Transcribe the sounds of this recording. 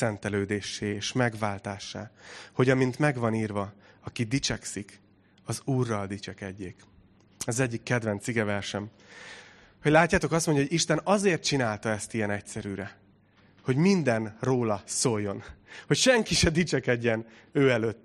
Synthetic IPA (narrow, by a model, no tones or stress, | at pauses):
sɛnt̪ɛløːd̪eːʃːeːeːʃmɛɡvaːlt̪aːʃːa̰ːho̞ɟɒmint̪mɛɡvɒniːrvɒɒkid̪it͡ʃɛksik | ɒzuːrːɒld̪it͡ʃɛkɛɟːeːk | ɛzɛɟːikːɛd̪vɛnt̪siɡɛvɛrʃɛm | ho̞ɟlaːcːaːt̪o̞kɒst̪mo̞ɲɟjɒoiʃt̪ɛnɒzeːrt̪̚t͡ʃinaːlt̪ɒɛst̪ijɛnɛcsɛɾyːɾɛ | ho̞ɟmind̪ɛnroːlɒsojːo̞nhocʃɛŋkiʃɛd̪it͡ʃɛkɛɟːɛn | øːɛløːt̪ː